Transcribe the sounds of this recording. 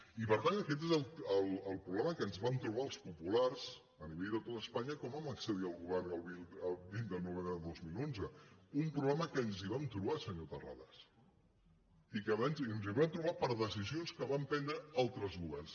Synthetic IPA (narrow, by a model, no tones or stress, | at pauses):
ipəɾt̪anəkɛt̪̬ezəlˠəlˠəlˠpɾuβlɛməkənzβant̪ɾuβ̞aəlˠspupularz | əniβɛʎd̪ət̪ot̪əspaɲəkɔmaməksəðiəlˠɣuβɛrnəlˠβiəlˠbind̪əlnuβembɾəðəlˠd̪ozmilonzəumpɾuβlɛməkənziβamt̪ɾuβasəɲot̪əra̰ðas | ikəβanzənziβant̪ɾuβapəɾðəsizionskəβampɛnd̪ɾəalˠt̪ɾəzɣuβɛrns